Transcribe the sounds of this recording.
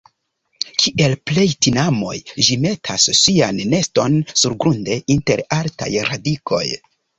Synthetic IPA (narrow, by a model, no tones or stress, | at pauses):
kʰiʔe̞lple̞jtinamo̞̰jd͡ʒime̞tʰasːianːe̞sto̞nsuɾɡɾunde̞inte̞ɾalta̰jɾadikʰo̞̰j